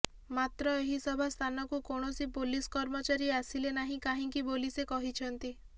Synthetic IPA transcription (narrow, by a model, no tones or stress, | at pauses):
mat̪ɾɔeɦisɔbʱast̪ʰanɔkukoɽ̃ɔsipoliskɔɾmɔt͡ʃaɾiasilenaɦĩkaɦĩŋkibolisekɔɦit͡ʃʰɔnt̪i